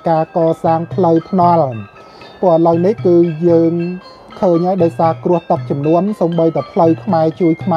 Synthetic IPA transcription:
kaːkɑːsaːŋpʰləwpʰnŏəl | pʊ̆əʔələwnihkɨːjəːŋ | kʰəːɲhaɔjɗaɔjsaːkrʊ̆əht̪ək̚t͡ɕumnuənsoːmɓəjt̪apʰləwkʰmaɛt͡ɕuəjkʰma

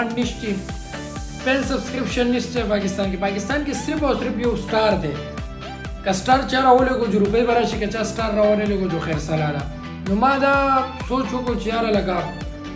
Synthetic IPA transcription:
nniʃt̪i | pelsɐbskɾipʃɐnːist̪epaːkist̪aːnkepaːkist̪aːnkesɾipɔːsɾipjosʈaːɾt̪eː | kɐsʈaːɾt͡ʃaːɾɐɦoːleɡod͡ʒoɾupɐibɐɾaːt͡ʃʰikɐt͡ɕaːsʈaːɾːɐɦoːɾeleɡod͡ʒoxɛːɾsaːlaːɾa̰ː | numaːd̪asoːt͡ʃʰokot͡ʃjaːɾɐlɐɡaː

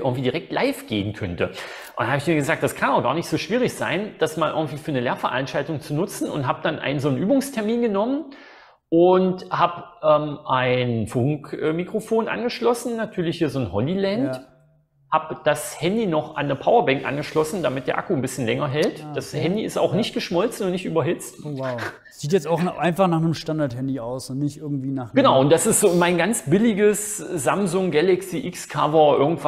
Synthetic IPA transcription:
ʔɪɐɡŋ̩tv̥iːdiʁɛk̚tlʔaɪfɡ̥eːənkʰœntə | ʔʊndanhaːbɪçmiːɐɡəzaːk̚d̥askʰanaʊxɡ̥aːɐnɪçtz̥oːʃv̥iːʁ̞ɪçz̥a̰ɪnd̥asmaːlʔɪɐɡŋ̩tv̥iːfyːɐnəleːɐfɛɐʔa̰nʃtaltʊŋt͡sunʊt͡sn̩ʊ̰ntɦaːbd̥anʔa̰ɪnənzoːnʔyːbʊŋstʰɛɐmiːnɡənɔmən | ʔʊnthaːbʔɛːmʔaɪnfʊŋkʔɛːmikʁ̥ofoːnʔa̰nɡəʃlɔsn̩ːatʰyːɐlɪçhiːɐzoːnhɔlilɛnt | haːbd̥ashɛndinɔχa̰nːəpʰaʊɐbɛŋkʔa̰nɡəʃlɔsn̩d̥amɪt̚d̥eːɐʔakunbɪsçənlɛŋɐɦɛltd̥ashɛndiɪsta̰ʊxnɪçt̚ɡ̥əʃmɔlt͡sn̩ʊntnɪçtyːbɐɦɪt͡st | z̥iːtjɛt͡staʊxʔaɪnfaχnaːχnəmʃtandaɐthɛndiaʊsʊntnɪçtʔɪɐɡŋ̩tv̥iːnaɡ̥ənaʊʊntd̥asɪstz̥oːmaɪnɡant͡sb̥ɪlɪɡəszamzʊŋɡɛlɛksiʔɪkskʰa̰vɐʔɪɐɡŋ̩tv

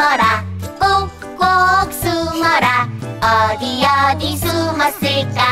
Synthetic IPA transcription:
ɾakok | koksumɔɾaʌd̪ijʌd̪isumɐseka

